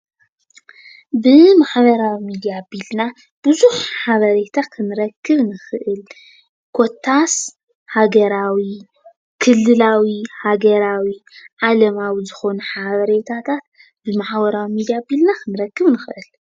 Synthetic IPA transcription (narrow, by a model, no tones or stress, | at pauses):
bɨmaħβɐɾawimid̪ijabilna | b̥ɨzuħħaβɐɾet̪ʰakʰɨnɨɾɐkːɨβnɨxɨʔɨl | kʰo̞t̪ʰːas | haɡɐɾawi | kʰɨlːɨlawihaɡɐɾawiʕalɐmawizɨxo̞nuħaβɐɾet̪ʰat̪ʰat̪̚ | bɨmaħbɐɾawimid̪ijabilnakʰɨnɨɾɐkːɨβnɨxɨʔɨl